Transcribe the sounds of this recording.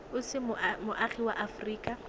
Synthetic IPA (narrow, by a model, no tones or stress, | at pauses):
ʊsɪmʊmʊʔaχiwaʔafʊriːkʼa